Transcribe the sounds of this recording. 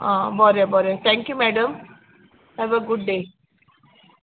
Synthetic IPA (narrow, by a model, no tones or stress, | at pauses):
ãbɔɾebɔɾet̪ʰɛ̃ŋkjumɛɖəm | hɛʋəɡʊɖ̚ɖe